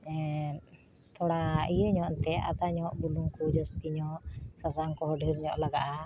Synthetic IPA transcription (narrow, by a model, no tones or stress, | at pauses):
ɛ | t̪ɔɽaijəɲɔʔnt̪ɛa̰t̪aɲɔʔbuluŋkud͡ʒɔst̪iɲɔʔsasaŋkɔɦɔɖʱiɾɲɔʔlaɡaʔa